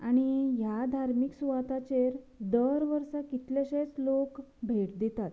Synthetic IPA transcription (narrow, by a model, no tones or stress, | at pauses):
aɽ̃ijad̪ʱaɾmiksuʋat̪at͡ɕeɾ | d̪əɾʋəɾsakit̪leɕet͡slokbʱeʈd̪it̪at̪